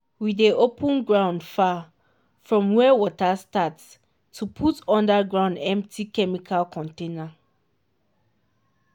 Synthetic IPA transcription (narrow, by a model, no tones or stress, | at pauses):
wideopʰə̃nɡɹãʊ̃ndfa | fɹɔ̃mwɛwɔtastats | tʰupʰutɔ̃ndaɡɹãʊ̃ndɛ̃mp̚tʰikɛmikʰalkʰɔ̃ntẽna